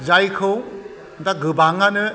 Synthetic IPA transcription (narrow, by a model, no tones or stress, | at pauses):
zajkʰɯw | daɡɯbaŋanɯ